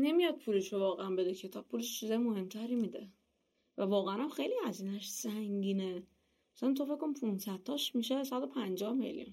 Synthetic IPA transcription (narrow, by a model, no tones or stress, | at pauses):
ne̞mijɒd̪̚pʰuleʃovɒːɣeænbe̞d̪ecʰe̞t̪ʰɒb̥̚pʰuleʃt͡ʃʰizɒjemohe̞mt̪ʰæɾiːmid̪e | vævɒːɣeænæmxejlihæziːnæʃsæŋɟiːne | sænt̪ʰofe̞ckʰkːonipʰunsæd̥̪̚t̪ʰːɒʃmiʃesæd̪o̞pʰænd͡ʒɒhme̞̰ljṵn